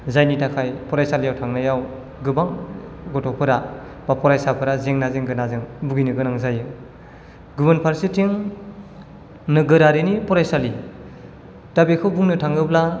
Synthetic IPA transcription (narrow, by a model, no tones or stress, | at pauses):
zajnitʰakʰajpɔɾajsalijawtʰaŋnajaw | ɡɯbaŋɡɔtɔpʰɯɾa | bapɔɾajsapʰɯɾazeŋnazeŋɡɯnazɯŋbuɡinɯɡɯnaŋzajɯ | ɡubɯnpʰaɾsitiŋ | nɯɡɯɾaɾinipɔɾajsali | tabekʰɯwbuŋnɯtʰaŋɯbla